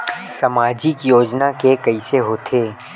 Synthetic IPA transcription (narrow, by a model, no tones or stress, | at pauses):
sɐmaːd͡ʒikjoːd͡ʒnakekɐiseɦoːt̪ʰeː